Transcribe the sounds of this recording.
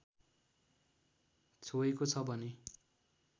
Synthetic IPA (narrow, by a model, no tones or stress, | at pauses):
t͡sʰoekot͡sʰʌbʱʌne